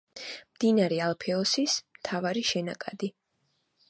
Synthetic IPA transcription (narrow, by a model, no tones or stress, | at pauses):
md̪inaɾɛalˠpʰɛɔsismt̪ʰavaɾiʃɛnakʼad̪i